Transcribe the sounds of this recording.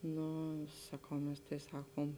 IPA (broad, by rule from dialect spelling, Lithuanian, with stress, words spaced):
ˈnʊ sɐˈkɐʊ ˈmʲɛs tɐɪ ˈsɑːkoːm